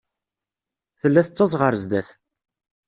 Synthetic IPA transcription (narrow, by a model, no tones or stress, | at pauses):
θəlːæθət͡sːɑzˤʁəɾzd̪æθ